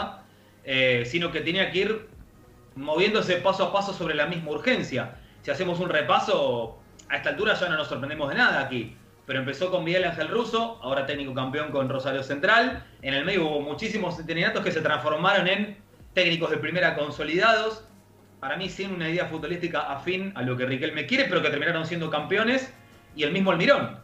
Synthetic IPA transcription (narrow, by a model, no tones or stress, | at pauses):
esino̞ke̞t̪jeniakeiɾ | mo̞β̞je̞nd̪oes̬epasoapaso̞so̞βɾe̞lamizmauɾxensjasiase̞mo̞s̬unrepaso̞ | aest̪alt̪uɾaʒano̞nosːoɾpɾenemo̞ð̞enaðaːki | pe̞ɾo̞empe̞so̞ko̞mmiɣelaŋxe̞lruso̞ao̞ɾat̪ek̚niko̞kampeo̞ŋko̞nro̞saɾjose̞nt̪ɾalenelmeðjouβo̞mut͡ʃis̬imosent̪eninat̪oke̞se̞t̪ɾãnsfo̞ɾmaɾo̞nẽ̞n | t̪eknikoɦðe̞pɾime̞ɾako̞nso̞liðaðo̞s | paɾamisinunaiðe̞afut̪̚βolist̪ikaʔafinalo̞k̬e̞rikelme̞kje̞ɾepe̞ɾoke̞t̪eɾminaɾo̞ns̬jend̪o̞kampeo̞ne̞s | ie̞lmizmoalmiɾo̞n